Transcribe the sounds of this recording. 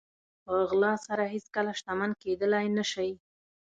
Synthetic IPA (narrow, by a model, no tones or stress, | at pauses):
pəɣlɑsaɾaheskəlaʃt̪amanked̪əlajnəʃaj